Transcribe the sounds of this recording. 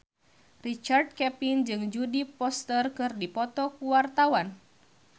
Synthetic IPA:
rit͡ʃard̚kɛpind͡ʒɨŋd͡ʒudipɔst̪ərkɨrdipɔt̪ɔkuwart̪awan

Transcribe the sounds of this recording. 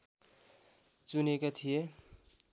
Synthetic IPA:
t͡suneket̪ʰije

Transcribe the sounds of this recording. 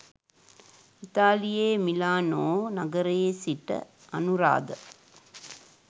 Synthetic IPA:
it̪aːlijeːmilaːnoːnɐɡɐɾeːsiʈːɐ̰ | ɐnuɾa̰ːd̪ə

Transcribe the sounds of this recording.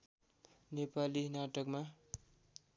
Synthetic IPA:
nepalinaʈʌkma

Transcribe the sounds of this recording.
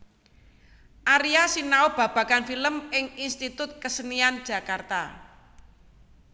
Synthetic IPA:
ʔaɾiasinaob̥a̤b̥ä̤kanfiləmɪŋinst̪it̪ʊt̪̚kəsəniand̥ʒ̥a̤kart̪a̰

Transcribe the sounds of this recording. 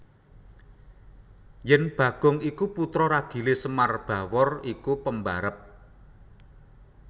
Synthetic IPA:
jɛnb̥ä̤ɡ̥ɔ̤ŋikuput̪ɾɔɾaɡ̥i̤lesəmarb̥a̤wɔrikupəmbaɾəp̚

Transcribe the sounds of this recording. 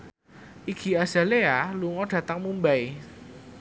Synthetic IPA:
ʔiɡ̥i̤az̥a̤lealuŋɔɖ̥ä̤t̪aŋmumbaj

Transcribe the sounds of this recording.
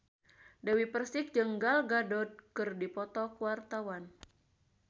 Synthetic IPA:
dəwipərsɪk̚d͡ʒəŋɡalɡadɔt̪̚kɨrdipɔt̪ɔkuwart̪awan

